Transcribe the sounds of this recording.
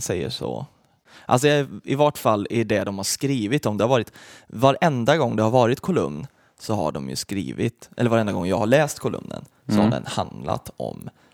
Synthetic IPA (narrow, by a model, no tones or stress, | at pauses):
sɛjːəʂɔ̰ | ʔals̬ɔɪvɔʈfalːæɖɛd̪ɔmhaʂkɾiːvɪt̪ɔmd̪ɛhaɾvɑːɾɪt̪vaɾʔɛnd̪aɡɔŋːd̪ɛhaɾvɑːɾɪt̪kʰʊlɵmn | sɔha̰ɖɔmjɵ̰skɾḭːvɪt̪ʔɛlːɾvaɾɛnd̪aɡɔŋːjɑɡhaɭɛːst̪kʰʊlɵ̰mnə̰n | sɔhaɖɛ̰nhand̪la̰t̪ʰɔm